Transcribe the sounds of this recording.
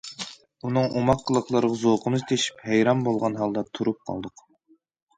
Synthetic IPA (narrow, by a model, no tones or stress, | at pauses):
unɨŋʔomɑqʰːəlˠəqʰlˠəɾəʁɑzoqʰənɨzt̪ʰeʃi̥phæjɾɑmbolˠʁɑnɦɑlˠd̪ɑt̪ʰuɾup̚qʰɑ̰lˠd̪ʊq